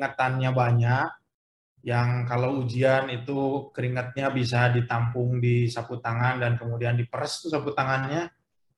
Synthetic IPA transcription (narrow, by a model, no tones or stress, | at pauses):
ŋət̪anɲabaɲaʔ | jaŋkalawud͡ʒianit̪ukəɾiŋət̪̚ɲabis̬adit̪ampʊŋdisaput̪aŋandankəmudiandipəɾəst̪usaput̪aŋanɲa